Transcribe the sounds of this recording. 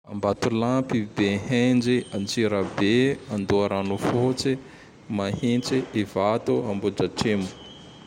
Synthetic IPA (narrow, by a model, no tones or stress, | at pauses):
a̰mbat̪ulapibeɦend͡ʒiant͡siɾabeand̪uaɾanufot͡si | mahint͡siʔivat̪uambud͡ʒaʈ͡ʂemu̥